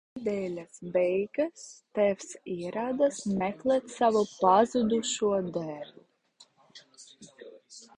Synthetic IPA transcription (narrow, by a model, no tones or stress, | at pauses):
d̪ɛːlʲasbɛjɡast̪ɛfsiɛɾaːd̪asmɛklɛt̪savupazud̪uʃuɔd̪ɛɾʲu